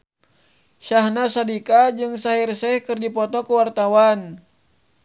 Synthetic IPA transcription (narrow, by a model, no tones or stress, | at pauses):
ʃaɦnasadikad͡ʒɨŋsaɦirsɛhkɨrdipɔt̪ɔkuwart̪awan